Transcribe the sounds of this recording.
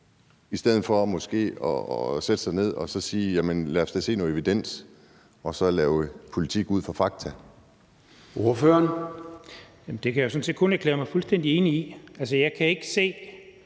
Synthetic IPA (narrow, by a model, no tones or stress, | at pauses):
isd̥eð̰̩ˠfɒ̽mɒ̽sɡ̥e̝̰ːɒsed̥ə̥sɑ̈ɪne̝ð̞̰ˠɒ̽sɒ̽siːjæmənlæːsd̥ese̝̰ːno̽ːð̩ˠeʋid̥en̰s | ɒ̽sɒ̽lɛːʊəpʰo̝lit͡sʰiɡ̥uð̞̰ˠfʁɒ̈fɑ̈ɡ̥̚t͡sʰæ | oɐføːɐn | jæmn̩d̥e̝kʰæjaʊsɔ̽nse̝̰ːd̥kʰɔ̽næɐklḛːɐmɑ̈ɪfulsd̥en̰d̥ie̝ːniiæls̬əjɑ̈ɪkʰæe̝ɡ̥ə̥se̝̰ː